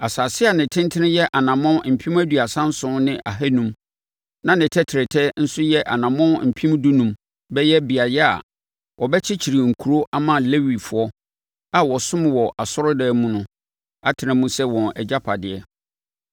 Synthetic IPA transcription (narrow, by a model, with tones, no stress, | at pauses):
a˨saː˨sɪ˦a˨nɪ̃˨tʰɪ̃˦n˦tʰɪ˦nɪ̃˦jɛ˦ʔa˨nã˨mɔ̃˦m̩˨pʰĩ˦mæ˦dɥa˨sã˦n˦sʊ̃˦nɪ̃˦ʔa˨ɦæ˦nũ˦m | nã˨nɪ̃˨tʰɛ˦tʰɪ˨ɾɪ˨tʰɛ˦n̩˦sʊ˦jɛ˦ʔa˨nã˨mɔ̃˦m̩˨pʰĩ˦mdu˦nũ˦m | bɛ˦jɛ˦bi˨a˨jɛ˦a̰˨ | wʔɔ˨bɛ˦t͡ɕʰɪ˦t͡ɕʰi˨ɾi˨ŋ̩˨kʰu˨ɾo˦ʔa˦mã˨le˦wi˨fʊ˨ɔ˦ | a˨wɔ˨sʊ̃˦m˨wɔ˨ʔa˨sɔ˦ɾʊ˦dɛː˦mũ˦nʊ̃˦ | a˦tʰɪ˨nɪ̃˨mũ˦sɛ˦wɔ̃˨nɛ̰˨d͡ʑa˦pʰa˨dɪ˨ɛ˦